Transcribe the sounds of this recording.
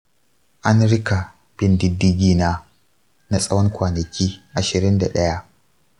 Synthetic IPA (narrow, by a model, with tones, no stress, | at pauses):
ʔa˦nɽɪ˦ka˨ | b̥ɪ˦ndɪ˦dːɪ˦ɡʲiː˦naː˦ | na˦sʼɐ˦wɐ˦ŋkʷaː˨nɐ˨kʲiː˦ʔa˨ʃɪ˨ɾɪ˦nda̰˨ɗɐ˦ja˦ʔ